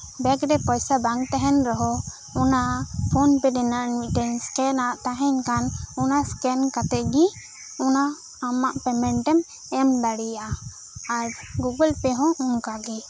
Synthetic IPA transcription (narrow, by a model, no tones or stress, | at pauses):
bɛkɾɛpɔjsabaŋt̪ɛɦɛnɾɔɦɔ | ɔnapʰɔnpɛdɛnanmiʈɛnskɛnaʔt̪ãɦɛ̃ɲkanɔnaskɛnkat̪ɛɡi | ɔnaː | maʔpɛmɛɳʈɛm | ɛmd̪aɽijaʔa | aɾ | ɡuɡəlpɛɦɔ̃uŋkaɡi